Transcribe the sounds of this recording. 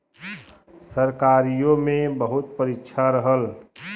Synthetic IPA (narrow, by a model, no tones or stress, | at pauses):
səɾkaɾijomebəɦut̪̚pəɾikːt͡ʃʰaɾəɦəl